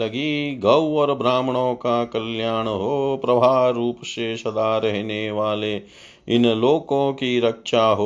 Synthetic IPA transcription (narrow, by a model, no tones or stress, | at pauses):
ɐɡiɡɐwʋɐɾbɾaːmɐɳoːkaːkɐljaːɳɐɦoːpɾɐbʱaːɾuːpɐʃeːʃɐd̪aːɾɐɦineːʋaːleː | inɐloːkoːkiɾɐkʂaːɦo